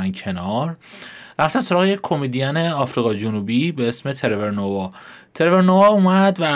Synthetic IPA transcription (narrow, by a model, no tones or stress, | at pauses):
ncʰe̞nɒɾɾæft̪ænsoɾɒːɣejecʰʲkʰo̞med̪ijæne̞ɒːfɾiːɣɒd͡ʒonubiːbe̞esme̞t̪ʰe̞ɾeveɾnovɒ | t̪ʰe̞ɾeve̞ɾnovɒumæd̪væ